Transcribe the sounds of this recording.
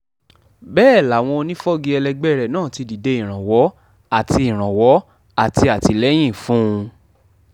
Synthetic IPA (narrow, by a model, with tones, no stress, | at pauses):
bɛː˦˨la˨w̃ɔ̃˧o˧nĩ˦fɔ˦ɡi˧ɛ˧lɛ˧ɡ͡bɛ˦˨ɾɛ˨nãː˦˨ti˧di˨de˧ĩ˦˨ɾ̃ã˨wɔ˨˦ | a˦˨ti˧ĩ˨ɾ̃ã˨wɔ˨˦ | a˨ti˧a˨ti˧lɛ˦j̃ĩ˦˨fũ˦ũ˧